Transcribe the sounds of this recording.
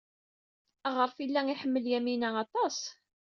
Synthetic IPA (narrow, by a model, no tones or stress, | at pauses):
æʁəɾˤfilːæŋiħəmːəljæminæɑt̪ˤɑs